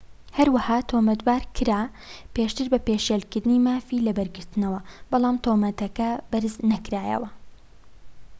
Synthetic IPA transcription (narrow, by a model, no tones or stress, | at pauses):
hɐɾwahaːt̪ʰomɐt̪baːɾkʰɨɾaː | peʃt̪ɨɾbɐpeːʃjelkɨɾd̪ɨniːmaːfilɐbɐɾɡɨɾt̪ɨnɐwɐb̥ɑlˠaːmt̪ʰoːmɐt̪ɐkɐbɐɾznɐkɾaːjɐ̰wɐ